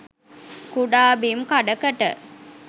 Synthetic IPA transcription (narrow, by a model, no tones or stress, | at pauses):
kuɖaːbimkaɖəkəʈə̰